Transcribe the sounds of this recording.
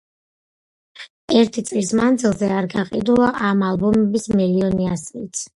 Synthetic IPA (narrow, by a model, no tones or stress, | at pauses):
ɛɾt̪ʰit̪sʼlismand̪zilˠzɛaɾɡaqʼid̪ulˠaʔamalˠbɔmɛbismɛliɔniasiit̪sʰ